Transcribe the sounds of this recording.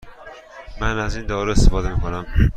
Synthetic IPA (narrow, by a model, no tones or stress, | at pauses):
mænæzind̪ɒːɾeest̪efɒːd̪e̞miːkʰo̞næm